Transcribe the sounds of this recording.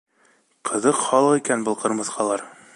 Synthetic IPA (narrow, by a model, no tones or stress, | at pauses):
qʰɤ̆ðɤqχɒlˠɤqikænbɤ̆lˠqɤ̆ɾmɤ̆θqʰɑlˠɑɾ